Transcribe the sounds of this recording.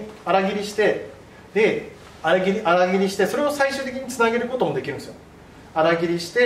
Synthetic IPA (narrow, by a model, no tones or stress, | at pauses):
aɾaɡʲiɾʲiɕi̥t̪e̞ | d̪e̞ | aɾaɡʲiɾʲiʔaɾaɡʲiɾʲiɕi̥t̪e̞so̞ɾe̞o̞saiɕɨːt̪̬e̞k̬ʲĩɲ̟it͡sɨnaɡe̞ɾɯ̟ko̞t̪o̞mod̪e̞kʲiɾɯ̟nesɨjo | aɾaɡʲiɾʲiɕi̥t̪e̞